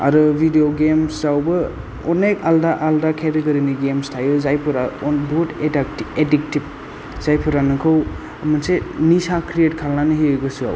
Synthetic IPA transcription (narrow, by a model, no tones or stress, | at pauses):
a̰ɾɯbʱidioɡemszawbɯ | ɔnekaldaʔaldakʰeɾiɡɐɾiniɡemstʰajɯzajpʰɯɾaɔnbutedakiedik̚tib̚ | zajpʰuɾanɯkʰɯw | amɯnsenisakʰɾietkʰalnanɯɦiɯjɡɯsua̰w